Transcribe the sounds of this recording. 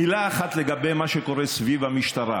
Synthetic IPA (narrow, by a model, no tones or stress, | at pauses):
ilaːχat̪leɡabe̞jmaʃeko̞ɾesvivamiʃt̪aɾa̰